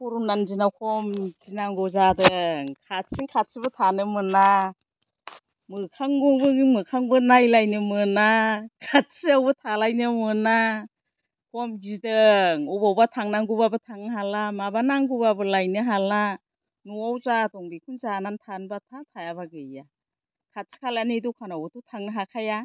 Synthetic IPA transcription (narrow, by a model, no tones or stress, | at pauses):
puɾunandinakʰɔmzinaŋɡɔzadɯŋkʰat̚siŋkʰat̚sibɯtʰanɯmɯna | mɯkʰaŋɡubɯmɯkʰaŋbɯnajlajnɯmɯnakʰat̚siawbɯtʰalajnɯmɯna | kɔmɡidɯŋubawbatʰaŋnaŋɡubabɯtʰaŋɯɦalamabanaŋɡubabɯlajnɯɦala | nuawzatɔŋbikʰunzanantʰanbatʰatʰajabaɡɯja | kʰat̚si̥kʰalanidukʰanawɔtutʰaŋnɯɦakʰaja